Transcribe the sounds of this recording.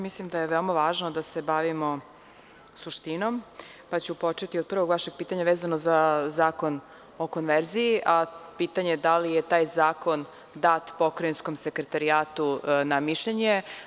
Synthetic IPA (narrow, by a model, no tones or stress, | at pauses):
mislimd̪ajeʋeomaʋaːʒnod̪ase̞baʋimo̞ | suʃt̪inom | pat͡ɕupo̞t͡ʃe̞t̪iod̪̚pr̩ʋo̞ɡʋaʃe̞ɡ̚piːt̪aɲaʋeːzanozazaːko̞n | o̞ko̞nʋeɾziiʔapit̪aɲe̞d̪alijet̪aːjzaːko̞n | d̪aːt̪po̞kɾojinsko̞mse̞kɾet̪aɾiaːt̪unamiʃʎeɲe